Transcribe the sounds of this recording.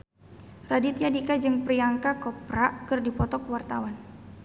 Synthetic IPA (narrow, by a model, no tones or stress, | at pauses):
radit̪iadikad͡ʒɨŋpriaŋkakɔpɾakɨrdipɔt̪ɔkəwart̪awan